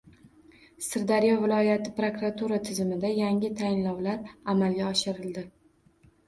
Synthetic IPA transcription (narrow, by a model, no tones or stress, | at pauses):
sɪɾd̪aɾijɒvɪlˠɒjat̪ʰɪpɾokɾat̪ʰuɾat̪ʰɪzɪmɪd̪ajaŋɪt̪ʰajɪnlɒwlaɾamalɡʲaɒʃɪɾɪld̪ɪ